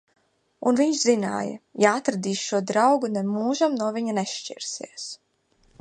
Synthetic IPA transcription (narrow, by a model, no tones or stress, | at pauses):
unviɲʃzina̰ːjɐ̰jaat̪ɾad̪iːʃʃuɔd̪ɾawɡunemuːʒamnuɔviɲaneʃt͡ʃḭɾsḭɛs